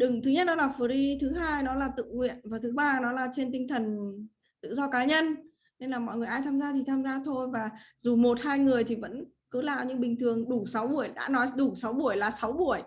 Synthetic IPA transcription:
ɗɨ˨˩ŋt̪ʰɨ˨˦ɲə˦˥t̚ɗɔ˨˦laː˨˩fə˨˩ɾi˧t̪ʰɨ˨˦ɦaː˧jnɔ˨˦laː˨˩t̪ɨ̰˧˨ŋŋwḭ˧˨ənvaː˨˩t̪ʰɨ˨˦ɓaː˧nɔ˨˦laː˨˩t͡ɕe˧nt̪ï˧ŋ̟t̪ʰə˨˩n | t̪ɨ̰˧˨zɔ˧kaː˨˦ɲə˧n | ne˧nlaː˨˩mɔ̰˧˨jŋɨ˨˩əjʔaː˧jt̪ʰaː˧mzaː˧t̪ʰi˨˩t̪ʰaː˧mzaː˧t̪ʰo˧jvaː˨˩zu˨˩mo˨˩t̚haː˧jŋɨ˨˩əjt̪ʰi˨˩və̰˧˥n | kɨ˨˦laː˨˩ɲɨ̰˧˥ŋɓï˨˩ŋt̪ʰɨ˨˩əŋɗu˧˩sa˨˦wɓu˧˩əjɗa̰ː˧˥nɔ˨˦jɗu˧˩sa˨˦wɓu˧˩əjlaː˨˩sa˨˦wɓu˧˩əj

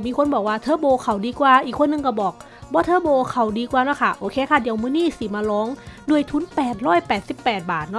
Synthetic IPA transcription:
miː˧kʰo˧˥nbɔː˨˩k̚waː˧˩t̪ʰɤː˧˦boː˧kʰa˨˧˩wdiː˧kwaː˧˩ʔiː˨˩kʰːo˧˥nːɯ˧ŋka˧˩bɔː˨˩k̚ | bɔː˧˦t̪ʰɤː˧˥bɔː˧kʰa˧˩wdiː˧kwaː˧nɔ˧˥˨kʰa˧˥˩ʔoː˧kʰeː˧kʰaː˧˥˩di˧˨əwmɯː˧˥˦niː˧˥˩si˨˦maː˧lɔː˧˥ŋdu˧˨əjt̪ʰu˧˦˥npɛː˨˩t̪̚ɾɔː˥˩jpɛː˨˩t̪̚si˨˩pːɛː˨˩t̪̚baː˨˩t̪̚nɔ˧˩

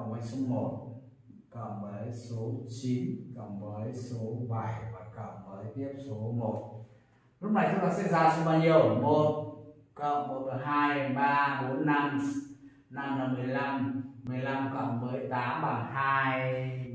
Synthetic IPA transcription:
ə˧˩ŋ͡mməː˨˦jso˨˦mo˨˩t̚ | kə˧˩ŋ͡mɓəː˨˦jso˨˦t͡ɕi˨˦nkə˧˩ŋ͡mməː˨˦jso˨˦ɓa˧˩jva˨˩kə˧˩wŋ͡mɓəː˨˦jt̪i˦˥əp̚so˨˦mo˨˩t̚ | lʊ˦˥k͡p̚na˨˩jt͡ɕʊ˨˦aː˨˩k̚sa̰˧˥zaː˧sɔ˨˦ɓaː˧ɲi˧˩əwmo˨˩t̚ | kə˧˨wŋ͡mmo˨˩t̚ə˨˩ɦaː˧jɓaː˧ɓo˨˦nːa˧m | na˧mlə˨˩mɨ˨˩əjla˧mːɨ˨˩əjla˧mkə˧˩ŋ͡mməː˨˦jt̪aː˨˦mɓaː˨˩ŋɦaː˧j

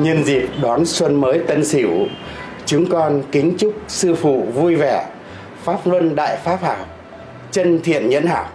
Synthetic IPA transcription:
ɲə˧nzi˨˩p̚ɗɔ˨˦nswə˧nməː˨˦jt̪ə˧nsi˧˩w | t͡ɕʊ˨˦ŋŋ͡mkɔ˧nkï˨˦ŋ̟t͡ɕʊ˦˥k͡p̚sɨ˧fṵ˧˨vu˧jvɛ˧˩ | faː˦˥p̚lwə˧nɗa̰ː˧˨jfaː˦˥p̚haː˧˩m | t͡ɕə˧nt̪ʰḭ˧˨ənɲə̰˧˥nha̰ː˧˩w

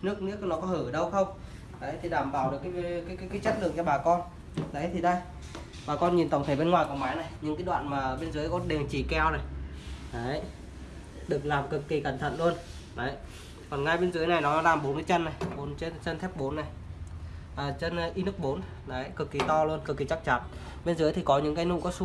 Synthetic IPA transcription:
nɨ˦˥ək̚nɨ̰˧˥ək̚nɔ˨˦kɔ˨˦hɨː˧˩ɗə˧wxə˧wŋ͡m | ɗəː˨˦jt̪ʰi˨˩ɗaː˧˩mɓaː˧˩wɗɨ˨˩əkːa˨˦kːka˨˦kaː˨˦jt͡ɕə˦˥t̚lɨ˨˩əŋt͡ɕɔ˧ɓaː˨˩kɔ˧n | ɗə̰˨˦jt̪ʰi˨˩ɗa˧j | ɓaː˨˩kɔ˧nɲi˨˩nt̪ə˧˩wŋ͡mt̪ʰə˧˩ɓe˧nŋwaː˨˩jkɔ˨˩maː˨˦jna˨˩jɲɨ̰˧˥ŋkaː˨˦ɗwa̰ː˧˨nmaː˨˩ɓe˧nzɨː˨˦jkɔ˧nɗe˨˩əŋt͡ɕi˧˨˩kɛ˧wna˨˩jɗə˨˦ | ɗɨ˨˩ək̚laː˨˩mkɨ˨˩kːi˨˩ka˧˩ŋt̪ʰə̰˧˨nlu˧ən | ɗə˨˦j | kɔ˨˩nŋa˧jɓe˧nzɨ˨˦əjna˨˩jnɔ˨˦laː˨˩mɓo˨˦nka˨˦t͡ɕə˧nːa˨˩jɓo˨˦nt͡ɕe˧nt͡ɕə˧nt̪ʰɛ˦˥p̚ɓo˨˦nːa˨˩j | ʔəː˨˩t͡ɕə˧nʔi˧nɨ˦˥k̚ɓo˨˦n | ɗa˨˦jkɨ˨˩kːi˨˩t̪ɔ˧lu˧ənkɨ˨˩k̚ːi˨˩t͡ɕa˦˥k̚t͡ɕa˨˦n | ɓe˧nzɨ˨˦əjt̪ʰi˨˩kɔ˨˦ɲɨ̰˧˥ŋkaː˨˦jnṵ˧˥˨kɔ˨˦su˧˦

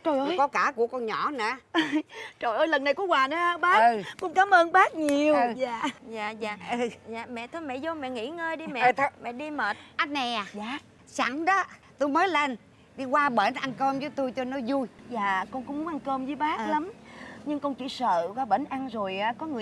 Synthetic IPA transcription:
t͡ɕo˨˧˩jo˧˨˦jkɔ˨˦kaː˧˩ku˧˩əkɔ˧nɲɔ̰˧˩˨na̰˧˩˨ | t͡ɕo˨˩jʔəː˧jlə˨˩nːa˨˩jku˧˦waː˨˩nɨ˨˦˧ɓaː˦˥˧kʊ̰˧˥ŋ͡mkaː˨˦mʔəː˧nɓaː˦˥k̚ɲi˨˩əwzaː˨zaː˧˨zaː˨ʔɨ˨˩za̰ː˨mɛ̰˧˨t̪ʰo˧jmɛ̰˧˨zo˧mɛ̰˧˨ŋḭ˧˥ŋəː˧jɗi˧mɛ̰˧˨ɛ˧˨t̪ʰmɛ̰˧˨ɗi˧məː˨˩t̚ʔa˨˦˥t̚na˨˩jaː˨˩zaː˨˩ | sa˧˩ŋɗɔ˨˦ | t̪u˧jməː˨˦jle˧n | ɗi˧kwaː˧ɓə˧˩nʔa˧nkəː˧mzəː˨˦jt̪u˧jt͡ɕɔ˧nɔ˨˦zu˧jzaː˨˩kɔ˧ŋkʊ̰˧˥ŋ͡mʔa˧nkə˧mzəː˨˦jɓaː˦˥k̚la˨˦mɲɨ˧ŋkɔ˧nt͡ɕḭ˧˩sə̰ː˧˨kwaː˧ɓə˧˩nʔa˧ŋzo˨˩jʔaː˨˦kɔ˨˦ŋɨ˨˩ə

